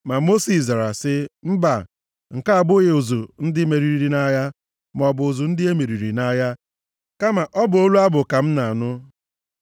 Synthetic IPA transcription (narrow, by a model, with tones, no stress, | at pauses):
ma˨mo˦si˨za˨ɾa˨sɪ˦m̩˦ba˨ | ŋ̩˨ka˦a˨bʊ˦ɣe˨ʊ˨zu˨n̩˦dɪ˦me˨ɾi˨ɾi˨ɾi˨na˦ja˦ | m˨ɔ˨bʊ˨ʊ˨zu˨n̩˦dɪ˦e˦me˨ɾi˨ɾi˨na˦ja˦ | ka˦ma˨ʔɔ˦bʊ˨o˦lu˦a˦bʊ˨ka˨m̩˦na˨nʊ˦